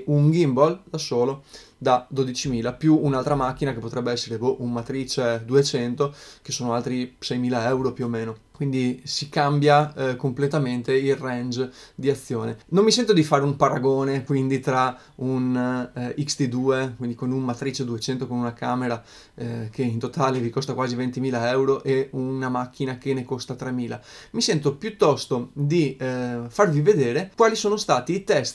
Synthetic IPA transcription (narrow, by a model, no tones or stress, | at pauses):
uŋɡimbold̪asoːlo | d̪ad̪od̪it͡ʃimiːlapjuːnalt̪ɾamak̟ːinakepːot̪ɾɛbːeɛsːeɾeboʔunmat̪ɾit͡ʃed̪uet͡ʃɛnt̪ok̟esːoːnoalt̪ɾisɛjmiːlaɛwɾopjuomeːno | kwind̪isikambjakomplet̪ament̪eilrɛnd͡ʒd̪iat̪sːjoːnenomːisɛnt̪od̪ifaːɾeumpaɾaɡoːnekwind̪it̪ɾa | un | ikst̪id̪uːekwind̪ikonunmat̪ɾit͡ʃed̪uet͡ʃɛnt̪okonunakaːmeɾa | keint̪ot̪aːlevikost̪akwaːzivent̪imiːlaɛwɾoʔeunamak̟ːinak̟enekost̪at̪ɾemiːla̰misɛnt̪opjut̪ːɔst̪od̪ifarvived̪eːɾekwaːlisoːnost̪aːt̪iːt̪ɛst̪